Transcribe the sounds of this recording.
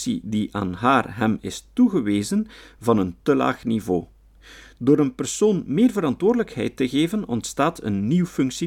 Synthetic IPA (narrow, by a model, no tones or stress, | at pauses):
sḭdiʔa̰ːnɦaːrɦɛmɪ̰stuɣəʋeːzənvɑnəntəla̰ːxnivo̰ː | doːɾənpərsoːnmeːrvəɾɑntwoːrdələkhɛ̰jtəɣeːvənɔ̰ntstaːtʰə̰nːiwfʏŋksi